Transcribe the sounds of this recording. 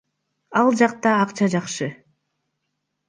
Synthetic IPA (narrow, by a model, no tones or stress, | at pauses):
ɑlˠd͡ʒɑq̚t̪ɑːqt͡ʃɑd͡ʒɑqʃɯ